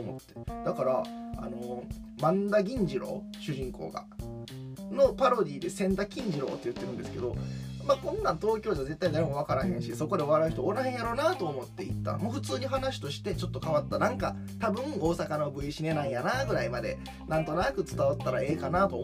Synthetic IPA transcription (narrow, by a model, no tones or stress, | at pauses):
omo̞̰t̪ːe̥d̪̥akaɾaa̰no̞mãnd̪aɡʲĩɲ̟d͡ʑiɾo̞̰ːɕɨʑĩŋko̞̰ːɡa̰ | no̞paɾo̞d̪ʲiːd̪e̞sẽ̞nd̪akʲĩɲ̟d͡ʑiɾo̞̰ːt̪ːe̞jɯ̟t̪ːe̞ɾɯ̟̃nd̪e̞sɨ̥ke̞d̪o̞̰maːkõ̞nːãnt̪o̞ːkʲoːd͡ʑaze̞t̪ːaid̪aɾemoβ̞akaɾaɦẽ̞ɰ̃ɕiso̞ko̞d̪e̞oβaɾaɯ̟çi̥t̪ooɾaɦeɰ̃jaɾo̞ːnat̪o̞ːmo̞t̪ːe̞ḭt̪ːa̰moːɸɯ̟t͡sɨːɲ̟iɦanaɕi̥t̪o̞ɕi̥t̪e̞t͡ɕo̞t̪ːo̞kaβat̪ːanãŋka | t̪abɯ̟̃ɯ̃o̞ːsakanobɯ̟iɕine̞nãɰ̃janaɡɯ̟ɾaimad̪e̞̰ | nãnt̪onakɯ̟t͡sɨ̥t̪aβat̪ːaɾae̞ːkanat̪o